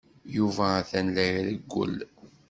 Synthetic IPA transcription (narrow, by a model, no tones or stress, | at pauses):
juvæθænlæɾðəɡʷːə̰l